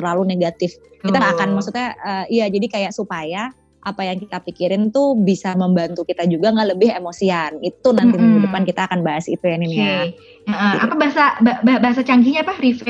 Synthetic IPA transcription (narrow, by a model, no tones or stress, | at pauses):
ərlaluneɡat̪ɪfkit̪aŋɡaʔkanmaksut̪̚ɲaəːijad͡ʒadikajaʔsupaja | ʔapajaŋkit̪apikiɾɪnt̪ubisaməmbant̪ukit̪ad͡ʒuɡaŋɡaʔləbɪɦemosianit̪unant̪imənɦidupankit̪aːkanbaɦasḭt̪ujaninia | əʔəa̰pabaɦasababaɦbaɦasat͡ʃaŋɡiɲapahɾifɛ